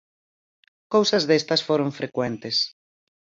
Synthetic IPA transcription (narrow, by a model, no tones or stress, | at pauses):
kowsɐzðest̪ɐsfoɾoɱfɾekwent̪es